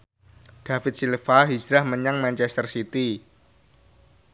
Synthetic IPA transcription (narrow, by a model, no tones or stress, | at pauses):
d̥afɪt̪̚silfaɦid͡ʒɾahməɲaŋmant͡ʃɛst̪ərsit̪i